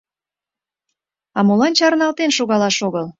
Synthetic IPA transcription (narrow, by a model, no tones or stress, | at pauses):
ɑmolɑnt͡ɕɑrnɑlt̪enʃoɣɑlɑʃoɣəl